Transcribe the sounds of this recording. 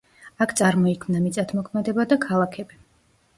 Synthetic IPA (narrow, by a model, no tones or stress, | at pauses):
akʰt̪sʼaɾmɔikʰmnamit̪sʼat̪ʰmɔkʰmɛd̪ɛbad̪akʰalˠakʰɛbi